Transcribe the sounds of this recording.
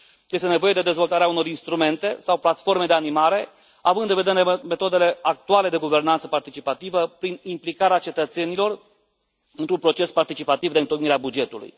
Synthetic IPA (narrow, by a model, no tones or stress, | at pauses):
je̞st̪e̞ne̞vo̞je̞d̪e̞d̪e̞zvo̞lt̪aɾeauno̞ɾinst̪ɾume̞nt̪e̞sawplat̪fo̞rme̞d̪e̞animaɾe̞ | avɨnd̪ɨnve̞d̪e̞ɾeme̞t̪o̞d̪e̞le̞ak̚t̪uale̞d̪e̞ɡuve̞rnant̪səpart̪it͡ʃipat̪ivəpɾinimplikaɾeat͡ʃe̞t̪ət̪se̞nilo̞r | ɨnt̪ɾunpɾo̞t͡ʃe̞spart̪it͡ʃipat̪ivd̪eɨnt̪okniɾeabud͡ʒe̞t̪ulṵj